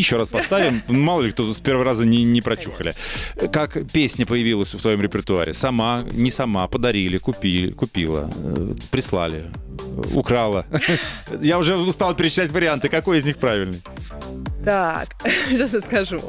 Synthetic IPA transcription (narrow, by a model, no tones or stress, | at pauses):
jɪɕːo̞ɾaspɐst̪avʲɪnnmalˠəlʲɪk̚t̪ospʲervəɾrazənʲɪnʲɪpɾɐt͡ɕuxəlʲɪkakpʲesʲnʲəpəjɪvʲilˠəsʲft̪vɐjo̞mɾʲɪpʲɪrt̪ʊa̰ɾʲɪ̰sɐmanʲɪsɐmapəd̪ɐɾʲilʲɪkʊpʲilʲɪ̰kʊpʲilˠə̰pɾʲɪslˠa̰lʲɪ̰ | ʊ̰kɾalˠə | jaʊʐɛst̪alˠpʲɪɾʲɪt͡ɕɪt̪atʲvəɾʲɪant̪ɨkɐko̞jɪzʲnʲixpɾavʲɪlʲnəj | t̪akɕasnəskɐʐu